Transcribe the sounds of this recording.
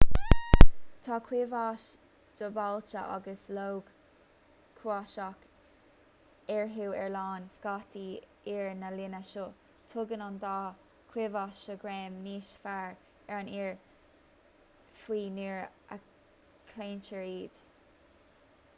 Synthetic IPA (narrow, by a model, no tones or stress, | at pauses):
t̪ʰɑːkʰwɪvɑʃ | d̪̥əbalt͡ʃə̰ʔɑ̰ɡəslowɡ | kʰwɑʃak | ɛɹɦuwɛɹlɑːnskɑt̪ʰi | iɹnəlɪnəʃo | t̪ʰʊɡənɑnd̪ɑ | kʰw̥ɪvɑʃəɡɹɛːmniːʃfaɹ | ɛɹniɹ | fwiːniɹə̰ | kʰleːnt͡ʃəɹiːd̪̥